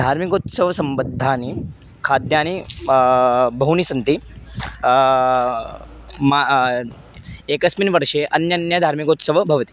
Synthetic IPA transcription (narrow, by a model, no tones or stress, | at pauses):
d̪ʱaɾmikot̪səʋsəmbəd̪ʱːani | kʰad̪jani | bʱəɦunisənt̪i | ma | ekəsminʋəɾʃeʔənjənjəd̪ʱaɾmikot̪səʋbʱəʋət̪i̥